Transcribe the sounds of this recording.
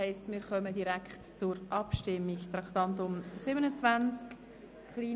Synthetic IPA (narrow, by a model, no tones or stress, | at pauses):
ɛɪstmɪːɾχœmədiɾækχtt͡sʊɾʔɑpʃtɪmːiɡt̪ɾɑkt̪ɑnt̪ʊmsɪbənət͡svænt͡sk | χliː